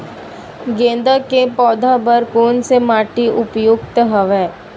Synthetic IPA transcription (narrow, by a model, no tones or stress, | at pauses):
ɡẽːnd̪əkepɔːd̪ʱabəɾkoːnsemaːʈiʔʊpjʊkt̪əɦəʋɛː